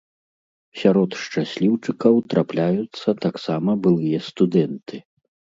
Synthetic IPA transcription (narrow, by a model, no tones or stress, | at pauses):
sʲaɾɔt̪ʂt͡ʂasʲlʲiwt͡ʂɨkɐwt̪ɾʔaplʲajut̪sːɐt̪aksamɐbɨlˠɨjɐst̪ud̪ɛnt̪ɨ